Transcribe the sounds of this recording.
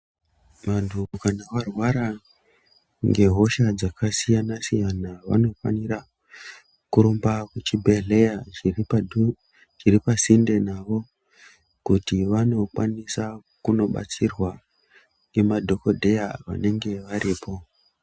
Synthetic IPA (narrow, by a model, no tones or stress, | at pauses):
ʋantʰukanaʋarwaɾa | ŋɡe̞ɦo̞ʃad͡zakʰasijanasijanaʋa̰no̞fa̰nira | kuɾombakut͡ʃibʱe̞ɮe̞ja | t͡ʃiripasinde̞naʋo̞ | kutiʋano̞kwa̰nisakuno̞ɓa̰t͡sirwa | emadʱo̞ko̞dʱe̞jaʋa̰ne̞ŋɡe̞ʋaɾiːpʰo̞